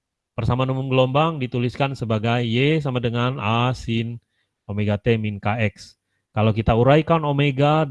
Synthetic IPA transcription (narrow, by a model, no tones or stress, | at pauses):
pərsamanumuŋɡəlombaŋdit̪uliskansəbaɡajːes̬amadəŋanasin | omeɡat̪eminkaɛks | kalawkit̪auɾaikanomeɡa